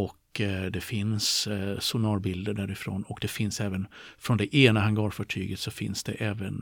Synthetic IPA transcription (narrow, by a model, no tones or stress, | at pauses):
ɔkːd̪ɛfɪnssʊnɑːɾbɪld̪əɖæɾɪfɾo̰ːnɔkd̪ɛfɪnsɛːvənfɾɔnd̪ɛʔeːnahaŋɡɑːɾfɑʈʰy̰ːɡət̪sɔfɪ̰nsd̪̥ɛ̰ʔɛːvən